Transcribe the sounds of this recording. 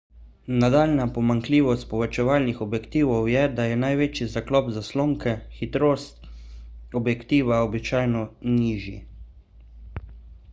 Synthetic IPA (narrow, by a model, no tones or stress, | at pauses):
nad̪aːlnapɔmaŋkliːʋɔst̪̚pɔʋɛt͡ʃɛʋaːlnixɔbjɛkt̪iːʋɔwjɛd̪ajɛnajʋeːt͡ʃizaklɔːpzasloːŋkɛxit̪ɾoːst̪ | ɔbjɛkt̪iːʋaɔbit͡ʃaːjnɔniːʒḭ